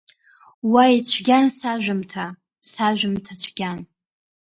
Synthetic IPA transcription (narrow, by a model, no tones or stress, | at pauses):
wait͡ɕʷʰɡʲansaʒᶣʊmtʰa | saʒʷᶣʊmtʰat͡ɕʷʰɡʲan